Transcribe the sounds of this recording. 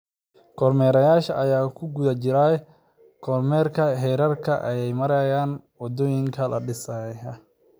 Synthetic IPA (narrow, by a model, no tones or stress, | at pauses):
kʰɔrmɛːɾɐjaːʃɐʔɐjaːkʰʊɡʊðæt͡ʃɪɾaː | kʰɔrmɛːrkʰɐɦɛːɾɐrkʰɐʔɐ̰jɛjmɐɾɛjaːnwɑd̪ɔːjɪŋkʰɐlɐ̰ɖɪsɐjɐ